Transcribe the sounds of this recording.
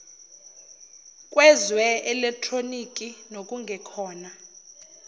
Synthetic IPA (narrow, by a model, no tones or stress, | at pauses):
kʼwɛzwɛɛlɛk̚tʰronik̬ʼinokʼuŋʱɛkʰɔːna